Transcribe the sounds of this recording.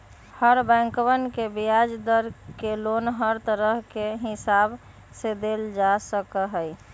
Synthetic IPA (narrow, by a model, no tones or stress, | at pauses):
həɾbɛ̃ŋkwənkebijad͡ʒd̪əɾkelonɦəɾt̪əɾəɦkeɦɪsab | sed̪eld͡ʒasəkəɦəj